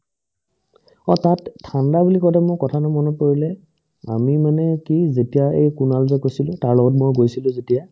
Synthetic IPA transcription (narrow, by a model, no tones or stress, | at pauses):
ɔtatʰːandabulikɔjtɛmʊkɔtʰanʊmɔnɔkoɹilɛ | a̰mimanɛkizetijaejkunalzɛkojsilʊ̃taɹlɔɡɔt̬mojɡojsilʊ̃zetija